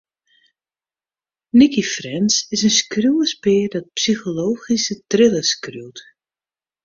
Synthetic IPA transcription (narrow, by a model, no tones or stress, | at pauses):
nikifrɛnsɪsənskruwəspɪːdɔt̚psixoloːχisətrɪləskruwt